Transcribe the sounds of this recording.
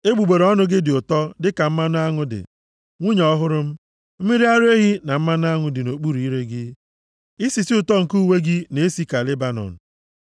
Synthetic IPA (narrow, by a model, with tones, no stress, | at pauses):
e˦ɡ͡bu˨ɡ͡be˨ɾɔ˦nʊ˦ɡɪ˦dɪ˨ʊ˨tɔ˦dɪ˦ka˨m̩˦ma˦n˦a˦ŋʊ˦dɪ̰˨ | ŋʷu˦ɲɔ˦ɦʊ˦ɾʊ˦m̩˦ | m̩˦mi˦ɾi˦a˦ɾe˦ɦi˦na˨m̩˦ma˦n˦a˦ŋʊ˨dɪ˨no˨k͡pu˦ɾi˨i˦ɾe˦ɡɪ˦ | ɪ˦si˨si˦ʊ˨tɔ˦ŋ̩˨ku˦we˦ɡɪ˦ne˨˦si˦ka˨le˦ba˨nɔ̰˨n̩˨